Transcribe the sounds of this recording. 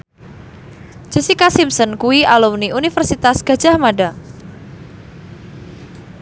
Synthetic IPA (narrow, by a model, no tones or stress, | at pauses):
d͡ʒ̥ɛ̤sikasimsənkuialumniʔunifərsit̪asɡ̥ä̤̥d͡ʒ̥a̤hmaɖa